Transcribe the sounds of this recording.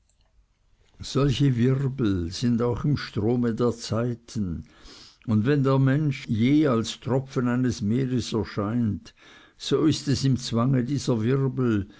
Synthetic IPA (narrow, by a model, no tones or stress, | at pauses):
z̥ɔlçəvɪʁbl̩z̥ɪndaʊxɪmʃtʁ̥oːmədeːɐt͡saɪtʰən̩ | ʊndvɛndeːɐmɛnʃjeːalstʁ̥ɔfənaɪnəsmeːʁəsɛɐʃaɪnt | soːɪstɛsɪmt͡sv̥aŋədiːzɐvɪʁbl̩